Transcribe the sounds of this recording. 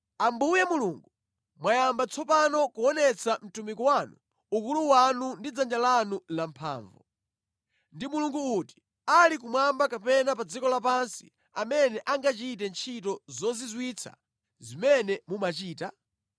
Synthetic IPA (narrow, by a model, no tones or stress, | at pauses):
ambujɛmuluːŋɡu | mwajambat͡sʰɔpanɔkuɔnɛt͡sʰam̩tumikuwanu | ukuluwanundid͡zand͡ʒalanulampʰa̰ːɱvu | ndimuluŋɡuuti̥ | alik̬umwambakapɛnapad͡zikɔlapansḭ | amɛnɛʔaŋɡat͡ʃitɛnt͡ʃʰitɔzɔzizwiːt͡sʰa̰ | zimɛnɛmumat͡ʃiːta